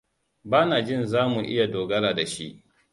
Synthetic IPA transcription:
baː˦naː˨d͡ʒɪ˦˨nzaː˦mu˨ʔɪ˦ja˨doː˨ɡɐ˦ɾaː˨da˨ʃi˦ʔ

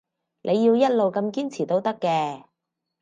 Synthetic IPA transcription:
nʔe˨˧jːiː˧wjɐ˥t̚lo˨wkɐ˧mkiː˥nt͡sʰiː˨˩t̪o˥wt̪ɐ˥kːɛː˧

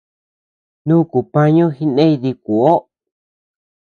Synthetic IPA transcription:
nũː˦ku˨pã˦ɲõ˦xi˧nẽ˦i˧ði˧ku˨o˦

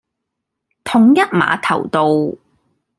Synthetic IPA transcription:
t̪ʰʊ˨ŋjɐ˥t̚ma̰ː˨˧t̪ʰɐ˨˩wt̪o˨˧w

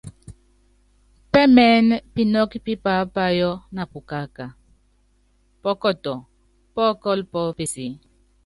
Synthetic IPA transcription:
pɛ˦mɛ˦n˦pi˨nɔ˦ki˦pi˦pa˨˦pa˦jɔ˦na˨pu˨ka˦ka˨ | pɔ˦kɔ˦˨tɔ˨ | pɔ˦kɔ˦lpɔ˦pi˨si˨

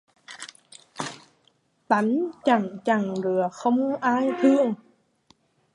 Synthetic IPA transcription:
t̪a˨˦nt͡ɕa˨˩ŋt͡ɕa˨˩ŋɾɯ˨˩əxʰɔ˧˥˦mʔaː˧˥˨jt̪ʰɯ˧˥ə˨ŋ

